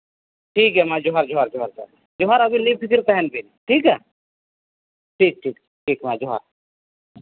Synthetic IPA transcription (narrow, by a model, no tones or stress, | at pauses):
ʈʰiːkɦɛmãd͡ʒʊɦaɾd͡ʒʊɦaɾd͡ʒʊɦaɾd͡ʒa | d͡ʒʊɦaɾɐbʱinipʰɪkɪɾp̪ɛɦɛnbinʈʰiːkɛ | ʈʰiːk̚ʈʰiːk | ʈʰiːkmãd͡ʒʊɦa̰ɾ